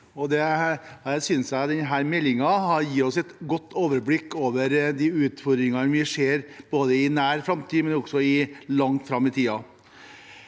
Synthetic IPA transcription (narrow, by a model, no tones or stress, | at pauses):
ɔd̪ɛæsʏnsæt̪d̪ɛnɦæːɾmɛlːɪŋɑhɑɾjiːɔsɛt̪ɡɔt̪ːoːʋəɾblɪkːoːʋəɾd̪iːʉːt̪fɔɾd̪ɾɪŋɑnʋɪʂeːɾb̥oːd̪əɪnæːɾfɾɑmt̪ʰiːmɛnɔɡsɔɪlɑŋt̪fɾɑmːɪt̪ʰiːɑ